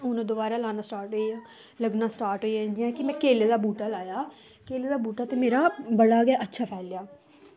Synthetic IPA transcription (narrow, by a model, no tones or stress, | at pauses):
ʊnãd̪ʊbaːɾaːlaːnaːsʈaːɾʈɦoiãː | ləɡnaːsʈaːɾʈɦoːiɛ̃d͡ʒɪãːkɪmɛ̃ːkeːleːd̪aːbuːʈaːlaːjaː | keːleːd̪aːbuːʈaːt̪eːmeːɾaːbəɽaːɡaːʔətːʃʰaːpʰɛːljaː